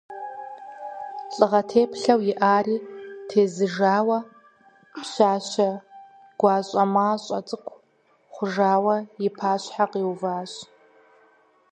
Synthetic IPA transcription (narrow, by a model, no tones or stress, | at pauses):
ɬʼɨʁɐtʰeːpɬɐwjɪʔaːriːtʰeːzɨʐaːwɐ | ɕaːɕɐ | ɡ̥ʷɑːɕʼɐmaːɕʼɐt͡sʼɨkʷʰ | χʷʊʐaːwɐjɪpʰaːɕħaqiːwvaːɕ